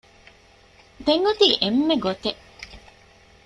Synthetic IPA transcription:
d̪eŋɡut̪iːʔemːeɡot̪e

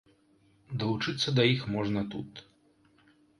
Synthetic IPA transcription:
d̪ɐlˠut͡ʂɨt̪sːɐd̪ɐjixmɔʐnɐt̪ut̪

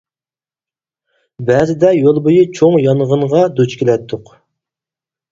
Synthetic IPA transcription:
bɛzɪd̪ɛjolˠbojɨt͡ʃʰoŋjɑnʁənʁɑd̪ut͡ʃkʲelɛt̪ʰːʊq

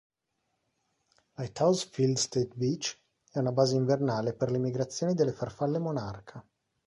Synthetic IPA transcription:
lajt̪ʰawsfild̪st̪et̪bit͡ʃ | ɛunabaːzeiɱvernaːleperlimiɡɾat̪sːjoːnid̪elːefarfalːemonarkʰa

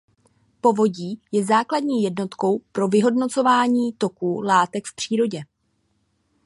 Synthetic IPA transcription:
po̞vo̞ɟiːjɛzaːkladɲiːjɛdno̞t̪ko̞wpɾo̞vɪɦo̞dno̞t͡so̞vaːɲiːt̪o̞kuːlaːt̪ɛkfpr̝̥iːɾo̞ɟɛ

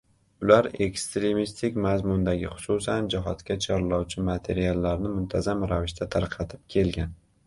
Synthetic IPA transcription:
ʊlaɾe̞kst̪ɾe̞mist̪ʰɪkʲmazmʊnd̪aɡʲɪχʊ̥susand͡ʒɪɦɒt̪kʲat͡ʃʰɒɾlɒwt͡ʃʰɪmat̪ʰe̞ɾialːaɾnɪmʊnt̪ʰazamɾavɪʃt̪ʰat̪ʰaɾqʰɑt̪ʰɪp̚kʲʰe̞lɡʲan

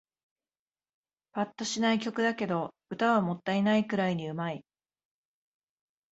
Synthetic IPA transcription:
pat̪ːo̞ɕinaikʲo̞kɯ̟d̪ake̞d̪o̞ | ɯ̟t̪aβamo̞t̪ːainaikɯ̟ɾaiɲ̟iɯ̟mai

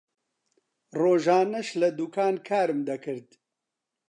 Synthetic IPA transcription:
roːʒaːnɐʃlɐd̪ukaːnkʰaːɾɨmd̪ɐkʰɨɾd̪

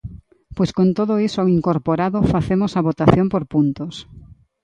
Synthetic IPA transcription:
pojskont̪oðʊisoaiŋkoɾpoɾaðofaθemosaβot̪aθjompoɾpunt̪os

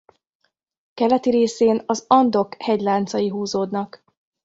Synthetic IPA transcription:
kɛlɛt̪iɾeːseːnɒzɒnd̪o̞khɛɟlaːnt̪sɒjiɦuːzoːd̪nɒk

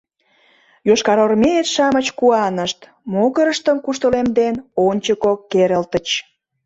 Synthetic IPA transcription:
joʃkɑɾormeet̪ʃɑmət͡ɕkuɑnəʃt̪ | moɣəɾəʃt̪əmkuʃt̪əlemd̪enonʲt͡ɕəkokːeɾəlt̪ət͡ɕ

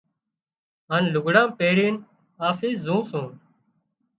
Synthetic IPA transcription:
ɦaːnlʊɡʱɽãːpeːɽiːn | aːfiːszũːsũːn

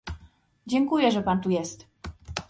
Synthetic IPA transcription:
d͡ʑɛŋkujɛʐɛpant̪ujɛst̪

